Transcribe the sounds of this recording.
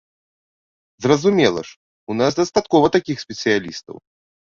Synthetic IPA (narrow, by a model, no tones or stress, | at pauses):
zrɐzumʲɛlˠɐ̰ʂ | unasd̪ɐst̪at̪kɔvɐt̪akʲixsʲpʲɛt̪sɨjalʲist̪ɐ̰w